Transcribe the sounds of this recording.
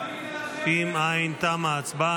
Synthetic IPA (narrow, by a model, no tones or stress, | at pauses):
fimaːĩnt̪amaːt͡sba